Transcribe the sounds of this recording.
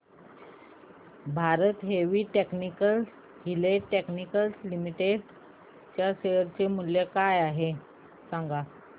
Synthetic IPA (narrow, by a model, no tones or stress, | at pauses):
bʱaɾət̪ɦeʋiːʈeknikəl | ɡileʈeknikəlslimiʈeɖ | t͡ɕjaɕeəɾt͡ɕemuljekajaɦe | saŋɡa